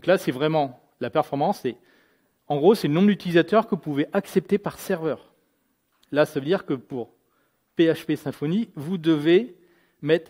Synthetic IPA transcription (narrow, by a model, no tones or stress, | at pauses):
d̪̃klasɛvʁɛmɑ̃ | lapɛʁfɔʁmɑ̃sɛ | ɑ̃ɡʁosɛlənɔ̃bʁd̪yt̪ilizat̪œʁkəpuveʔaksɛp̚t̪epaʁsɛʁvœːʁ | lasavød̪iʁkəpuʁ | peaʃpesɛ̃fɔnivud̪əve | mɛt̪χ